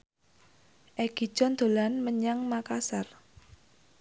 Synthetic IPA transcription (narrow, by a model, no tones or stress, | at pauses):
ʔɛɡ̥i̤̥d͡ʒɔnd̪̥o̤lanməɲaŋmakasar